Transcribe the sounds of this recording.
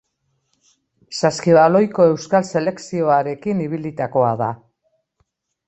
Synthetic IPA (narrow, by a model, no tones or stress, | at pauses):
saskiβalo̞jko̞e̞wskalse̞le̞ksio̞aɾe̞kiniβ̞ilit̪ako̞aða